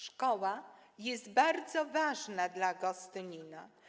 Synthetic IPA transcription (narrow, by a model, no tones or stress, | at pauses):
ʂkɔwajɛst̪baɾd̪zɔvaʐnad̪laɡɔst̪ɘɲina